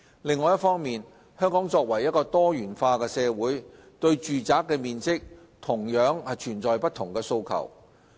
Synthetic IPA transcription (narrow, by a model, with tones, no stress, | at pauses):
lɪ˨˧ŋːɔː˨˧jɐ˥tfɔː˥ŋmiː˨n | hœː˥ŋkɔː˨˥ŋt͡sɔː˧k̚wɐ˨˩jːɐ˥t̚kɔː˧t̪ɔː˥jyː˨˩nfaː˧kɛː˧sɛː˧wuː˨˥j | t̪ɵ˧ɥt͡ʃyː˨t͡saː˨˥kːɛː˧miː˨nt͡sɪ˥k̚ | t̪ʰʊ˨˩ŋjœː˨˥ŋɐ˨t͡ʃʰyː˨˩nt͡sɔː˨jpɐ˥t̪ʰːʊ˨˩ŋkɛː˧so˧wkʰɐ̰˨˩w